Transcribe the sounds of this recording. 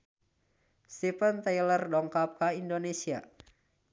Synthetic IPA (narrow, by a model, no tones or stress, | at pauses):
st̪ipənt̪ajlərdɔŋkap̚kaindonesia̰